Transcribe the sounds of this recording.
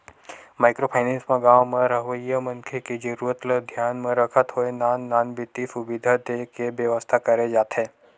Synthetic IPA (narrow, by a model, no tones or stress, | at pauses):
maːɪkɾopʰaːɪnẽnsmẽɡaːwmẽɾəɦʋəjəmɐ̃ŋkʰeked͡ʒəɾuːɾət̪ləd̪ʱjaːnmẽɾəkʰət̪ɦoenaːnːaːnbɪt̪isubɪd̪ʱat̪ekebjəʋəst̪ʰakɐɾed͡ʒaːt̪ɦẽː